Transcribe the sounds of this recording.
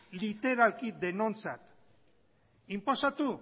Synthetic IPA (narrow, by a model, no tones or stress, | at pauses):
lit̪e̞ɾalkid̪e̞no̞nt͡sat̪ | impo̞sat̪u